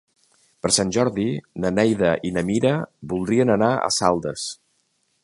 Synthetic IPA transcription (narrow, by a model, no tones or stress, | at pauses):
pəɾsanʲʒɔɾðinənɛjðəʔinəmiɾəbulˠd̪ɾiənənaə̰salˠd̪əs